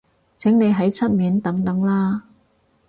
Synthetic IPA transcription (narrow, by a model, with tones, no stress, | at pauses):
t͡sʰɪ˨˥ŋne˨˧jɦɐ˨˥jt͡sʰɐ˥t̚miː˨˥nt̪ɐ˨˥ŋt̪ɐ˨˥ŋlaː˥